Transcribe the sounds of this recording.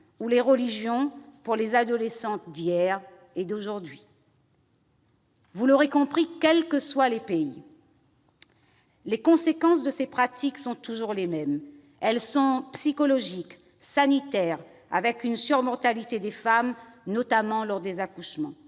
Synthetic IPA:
uleʁəliʒjɔ̃puʁlezad̪ɔlesɑ̃t̪d̪ijɛʁ | ed̪oʒuʁd̪ɥi | vulɔʁekɔ̃pχikʲɛlkəswalepei | lekɔ̃sekɑ̃s̬d̪əsepχat̪ʰiksɔ̃t̪uʒuʁlemɛm | ɛlsɔ̃psikɔlɔʒik | sanit̪ɛʁ | a̰vɛkynsyʁmɔʁt̪alit̪ed̪efamnɔt̪amɑ̃lɔʁd̪ezakuʃmɑ̃

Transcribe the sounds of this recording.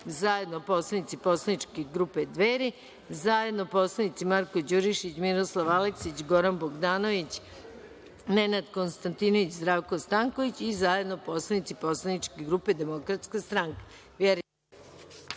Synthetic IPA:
zaje̞d̪nopo̞slanit̪sipo̞slˠanit͡ʃkeɡɾuːped̪ʋeɾi | zaje̞d̪noposlˠanit̪simaɾko̞d͡ʑuɾiʃit͡ɕmiɾo̞slˠaʋaleksit͡ɕɡo̞ɾanboɡd̪aːno̞ʋit͡ɕ | ne̞nad̪ko̞nst̪ant̪inoʋit͡ɕzd̪ɾaːʋko̞st̪aŋko̞ʋit͡ɕizaje̞d̪noposlˠanit̪sipo̞slˠanit͡ʃkeɡɾuːpe̞d̪e̞mo̞kɾat̪skast̪ɾaŋkḁ | ʋjeɾi

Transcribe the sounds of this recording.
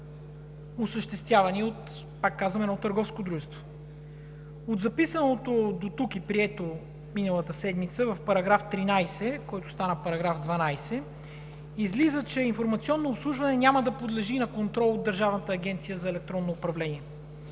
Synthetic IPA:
osəʃt̪ɛst̪vʲjavɐniot̪ | pakːazvɐmɛnɔt̪əɾɡɔfskod̪ɾuʒɛst̪vo̥ | od̪zɐpisənot̪od̪ot̪ukipɾiɛt̪o | minəlˠət̪əsɛd̪mit̪səvɐfpɐɾɐɡɾaft̪ɾinajsɛkɔjt̪ʊ̥st̪anəpɐɾɐɡɾafd̪vɐnajsɛ | izlizət͡ʃɛinfoɾmɐt̪siɔnːoːpslˠuʒvɐnɛnʲaməd̪ɐpod̪lɛʒinɐkont̪ɾɔlˠod̪ːəɾʒavnət̪əːɡʲɛnt̪sijəzɐɛlɛk̚t̪ɾɔnːoːpɾɐvlɛnʲiɛ

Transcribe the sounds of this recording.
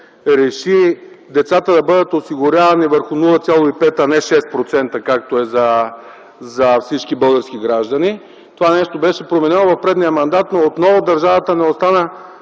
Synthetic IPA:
ɾɛʃi | d̪ɛt̪sat̪əd̪ɐbɤd̪ət̪osiɡʊɾʲavɐnivəɾxʊnulˠət̪sʲjalˠoipɛt̪ɐnɛʃɛst̪̚pɾot̪sɛnt̪əkak̚t̪oɛzɐ | zɐfsit͡ʃkibɤlˠɡəɾskiɡɾaʒd̪ɐni | t̪ovanɛʃt̪obɛʃɛpɾomɛnɛnovɐfpɾɛd̪nijəmɐnd̪at̪noot̪nɔvod̪ɐɾʒavɐt̪ənɛost̪anə

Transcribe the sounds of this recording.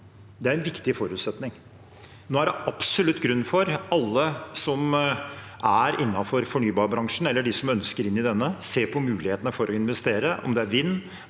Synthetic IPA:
d̪ɛæɾɛnʋɪkt̪ɪfɔɾʉːt̪sɛt̪nɪŋ | noːæɖɛɑpsɔlʉt̪ːɡɾʉnːfɔɾɑlːəsɔm | ʔæɾɪnːɑfɔɾfɔɳyːbɑːɾbɾɑŋʂn̩ɛlːəɖɪsɔmœnskəɾɪnːɪd̪ɛnːəseːpʰɔmʉːlɪheːt̪ənəfɔɾʔɔɪnʋɛst̪eːɾəʔɔ̰md̪ɛæɾʋɪnː

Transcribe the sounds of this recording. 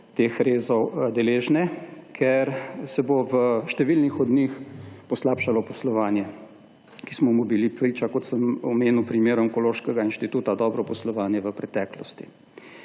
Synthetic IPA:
t̪eːxɾeːzɔwd̪ɛleːʒnɛkʰɛɾsɛboʋəʃt̪ɛʋilnixɔd̪nixpɔslaːpʃalɔpɔslɔʋaːnjɛ | ki̥smɔmubilipɾit͡ʃakɔt̪səmɔmeːnuwpɾimeːɾɔŋkɔloːʃkɛɡainʃt̪it̪uːt̪ad̪ɔːbɾɔpɔslɔʋaːnjɛʋəpɾɛt̪ɛːklɔst̪i̥

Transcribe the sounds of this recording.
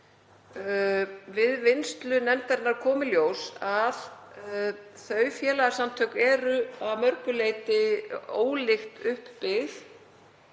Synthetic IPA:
vɪðvɪnst̪lʏnɛmt̪ɛɾɪnaɾ̥kʰɔːmʏljoːwsað | θœːɥfjɛːlaɣasamt̪ʰœɥkɛːɾʏaðmœɾkʏleːjt̪ɪo̰ːwlɪxt̪ʏhpːɪθ

